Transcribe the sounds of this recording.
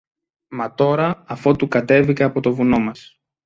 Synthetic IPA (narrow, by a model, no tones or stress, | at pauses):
mɐt̪o̞ɾɐːfo̞t̪ukɐt̪e̞vikɐɐpo̞t̪o̞vuno̞mɐs